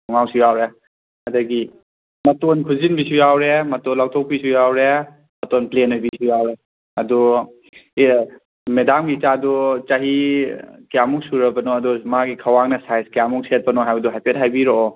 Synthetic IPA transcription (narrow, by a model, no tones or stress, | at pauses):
nuŋawsujawɾe | ɐdɐɡi | mɐtonkʰuzinbisujawɾemɐtonlawtʰɔk̚pisujawɾe | mɐtonplenojbisujawɾe | ɐdɔ | medamɡit͡ʃadut͡ʃaɦi | kijamuksuɾɐbɐnɔɐdɔmaɡikʰɐwaŋnɐsajskijamuŋkset̚pɐnɔɦajbɐduɦajpʰet̚ɦajbiɾoː